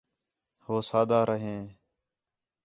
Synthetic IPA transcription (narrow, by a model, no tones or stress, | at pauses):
hoːsaːd̪aːɾʔəɦẽː